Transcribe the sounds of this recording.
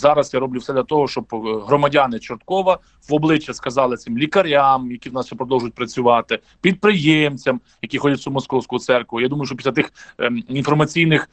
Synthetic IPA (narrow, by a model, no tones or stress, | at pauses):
zɑɾɐsjaɾɔblʲuwsɛd̪lʲɐt̪ɔɦɔʃt͡ʃɔbɦɾɔmɐdʲɑnɪt͡ʃɪrt̪kɔʋɐ | ʋɔblˠɪt͡ʃːɐskɐzɑlˠɪtsɪmlʲikɐɾʲamjɐkʲiwnɑsʃɛpɾɔd̪ɔlwˠʒʊt̚ʲpɾɐt͡sʲʊʋɑt̪ɪ | pʲid̪̚pɾɪjɛmt͡sʲɐm | jɐkʲixɔdʲɐt̚ʲsʲumɔskɔwsʲkʊʊt̪sɛrkʋʊjad̪umɐjʊʃt͡ʃɔpʲisʲlʲɐt̪ɪxinfɔrmɐt͡sʲijnɪx